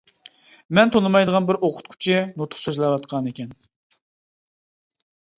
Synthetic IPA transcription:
mɛnt̪ʰonˠɨmɑjd̪əʁɑnbɪɾoqʰʊ̥t̪kʲʰy̥t͡ʃʰɪnut̪ʰʊ̥χsøzlɛwɑt̪qʰɑnekʲɛn

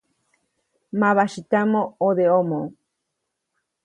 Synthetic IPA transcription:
maβaʃit̪amooðeomõ

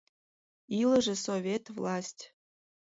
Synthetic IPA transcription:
ilə̆ʒĕsovʲet̪vlˠɑsʲtʲ

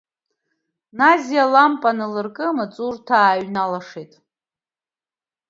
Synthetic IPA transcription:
nazijalampʼanɨlɨrkʼɨmɨt͡sʼurtʰaːɥnalaʂejtʼ

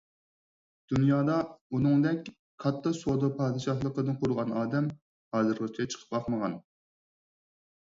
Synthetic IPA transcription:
d̪̥unjɑːd̪ɑunɨŋd̪ɛkʲ | qʰɑt̪ʰːɑsod̪ɑpʰɑːd̪ɨʃɑɦlˠəqəd̪ɨnqʰʊɾʁɑnɑːd̪ɛm | hɑːzɨɾʁɑt͡ʃʰit͡ʃʰə̥qʰə̥p̚bɑχməʁɑn

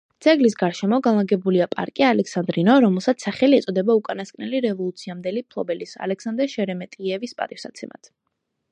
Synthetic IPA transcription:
d̪z̥ʰʼɛɡlis̬ɡaɾʃɛmɔɡanlˠaɡɛbuliapʼa̰ɾkʼialɛksand̪ɾinɔɾɔmɛlˠsat̪ssːaχɛliɛt̪sʼɔd̪ɛbaukʼanaskʼnɛliɾɛvɔlˠut̪sʰiamd̪ɛlipʰlˠɔbɛlisa̰lɛksand̪ɾɛʃɛɾɛmɛt̪ʼiɛvispʼa̰t̪ʼifsa̰t̪sʰɛma̰t̪ʰ

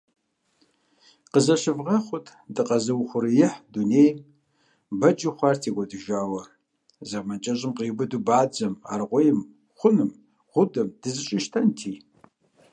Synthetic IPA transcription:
qəzɐʃɪvʁɐχʷʊtʰʼdɨqʼɐzɐwχʷʊɾɨjɪħduneːjm | bɐd͡ʒʼiχʷɑːrtʰiːɡʷɔdɨʒaːwɐ | zɐmɐt͡ʃʼɐʑɪmqiːbɨdubaːd͡ʒɐma̰ːrʁʷʊjɪm | χʷʊnɨm | ʁʷʊdɐmd̥ɨzɨɕʼɪʃtʰɐntʰiː

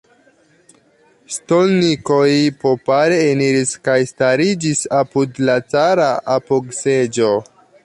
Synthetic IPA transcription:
sto̞lniko̞jpo̞paɾe̞ːniɾiskajstaɾid͡ʒisapudlat͡saɾaʔapoɡsed͡ʒo̞

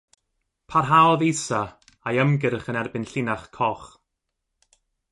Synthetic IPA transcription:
pʰarɦalˠvejsa | ajəmɡɪɾχənɛrbɪnɬɪnaχkʰɔχ

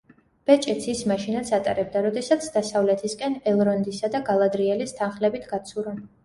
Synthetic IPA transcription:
b̥ɛt͡ʃʼɛt̪sʰismaʃinat̪sʰat̪ʼa̰ɾɛb̚d̪aɾɔd̪ɛsat̪sʰd̪asavlɛt̪ʰiskʼɛnɛlˠɾɔnd̪isad̪aɡalˠad̪ɾiɛlist̪ʰanχlɛbit̪ʰɡ̥at̪sʰuɾɔn

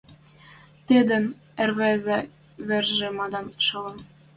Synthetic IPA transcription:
t̪ed̪ɘ̆n | ĕrβæzæ̆ | βerʒĕmɑd̪ɑnʃɤ̆lɤ̆n

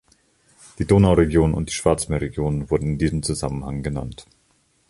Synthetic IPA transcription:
d̥iːdoːnaʊʁeɡjoːnənʊ̰nt̚d̥iːʃv̥aɐt͡smeːɐʁeɡjoːnənvʊɐdn̩ɪndiːzəm̩t͡suzamənhaŋɡəna̰nt

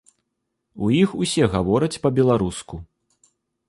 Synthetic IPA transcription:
ujixusʲɛɣavɔɾɐt͡sʲpɐbʲɛlˠaɾusku

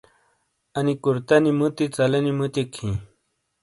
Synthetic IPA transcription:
ɐnikuɾt̪ɐnimut̪it͡sɐlɐnimut̪ikʰĩ

